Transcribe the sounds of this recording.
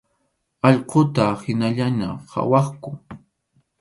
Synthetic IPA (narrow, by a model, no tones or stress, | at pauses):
ɑʎqot̪ahɪnaʎana̰ha̰wɑχkʊ